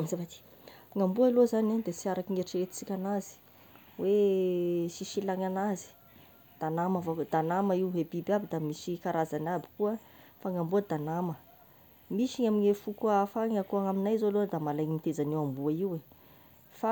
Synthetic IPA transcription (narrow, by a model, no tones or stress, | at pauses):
zavat̪i̥ | ŋambuaalozanad̪esiaɾakiŋeɾʈ͡ʂiɾet̪i̥t͡sikʲanazi̥ | we | ʃiʃilaŋanazi̥ | d̪̥anamavod̪̥anaməiwɦebibabid̪amiʃikaɾazanabi̥kuə | faŋambuəd̪anamə | miʃiɲaminefukafaŋakuaŋaminajzoalod̪amalajmit̪ezanewambuaiwe | fa